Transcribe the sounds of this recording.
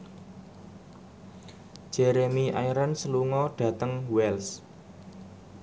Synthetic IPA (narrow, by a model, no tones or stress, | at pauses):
ʒ̥ɛɾemiʔajɾansəluŋɔɖ̥ä̤t̪əŋwɛls